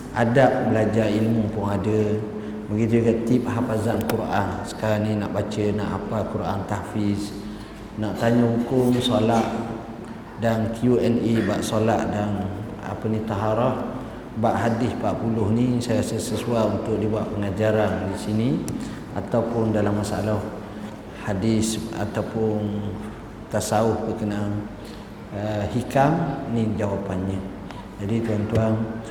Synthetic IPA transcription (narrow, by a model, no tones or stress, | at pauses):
ʔadaʔ̚məlad͡ʒailmupʊŋadə | məɡid͡ʒuɡaʔt̪ip̚ɦafazankuɾʔansə̥kaɾaŋnĩnaʔbat͡ʃəna̰ʔapakuɾʔa̰nt̪ahfɪs | naʔt̪aɲəɦukʊŋsolaʔ | daŋkʰiuɛnibaʔsolaʔdan | a̰pənit̪aɦaɾɔh | baʔɦadɪspaʔpulʊhnisajaɾasəsəsuaunt̪ʊk̚dibuaʔpəŋad͡ʒaɾandisini | a̰t̪awpʊndalamːasaa̰lah | hadɪsa̰t̪awpʊn | t̪asaʊhbəkənaan | əhikamnid͡ʒawapanɲa | d͡ʒadit̪uant̪uan